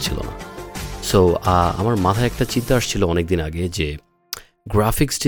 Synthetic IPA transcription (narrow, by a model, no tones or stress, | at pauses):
t͡ɕʰilo̰na̰soaa̰maɾmat̪ʰaeɛk̚ʈat͡ɕint̪aaʃt͡ɕʰiloɔnek̚d̪inaɡed͡ʑe | ɡɾafiksʈi